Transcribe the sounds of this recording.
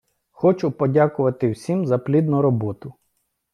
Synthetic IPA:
xɔt͡ʃʊpɔdʲakʊʋɐt̪ɪwsʲimzɐplʲid̪nʊɾɔbɔt̪ʊ

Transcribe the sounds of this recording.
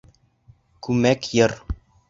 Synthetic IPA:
kʉmækjɤɾ

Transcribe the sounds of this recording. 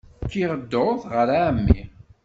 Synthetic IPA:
kːiʁəd̪ːoðˤʁəɾamːḭ

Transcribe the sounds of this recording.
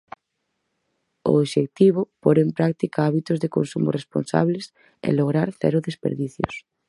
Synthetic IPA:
o̰ːβʃek̚t̪iβ̞ʊpoɾempɾak̚t̪ikaaβit̪ʊzðekonsumʊ̰respo̰nsa̰βles | ḛloɣ̞ɾaɾθɛ̰ɾʊðespḛɾðiθjʊ̰s

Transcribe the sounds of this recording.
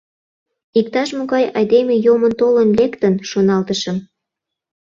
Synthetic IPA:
ik̚t̪ɑʃmoɣɑjɑjd̪emʲejomənt̪olənlekt̪ənʃonɑlt̪əʃə̆m

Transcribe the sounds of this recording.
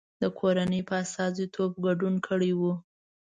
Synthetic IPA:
d̪əkʰoɾanəjpəast̪ɑzit̪ʰobɡaɖunkʰəɽəjwu

